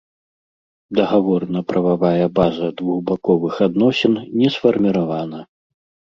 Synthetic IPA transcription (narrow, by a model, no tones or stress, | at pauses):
d̪ɐɣavɔɾnɐpɾɐvavajɐbazɐd̪vuɣbakɔvɨxad̪nɔsʲɛnnʲɛsfɐrmʲiɾavanɐ